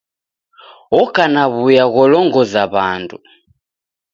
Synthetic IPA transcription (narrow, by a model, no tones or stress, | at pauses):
ɔkanaβujaɣɔlɔŋɡɔzaβa̰ndu